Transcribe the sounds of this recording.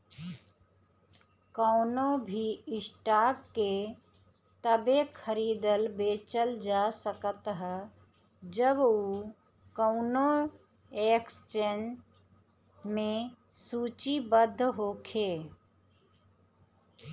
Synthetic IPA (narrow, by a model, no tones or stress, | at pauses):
kəʊnobʱiɪsʈakːe | t̪əbekʰəɾiːd̪əlbet͡ʃəld͡ʒasəkət̪ɦ | d͡ʒəbu | kəʊno | ekst͡ʃen | me | sut͡ʃibəd̪ʱːɦokʰe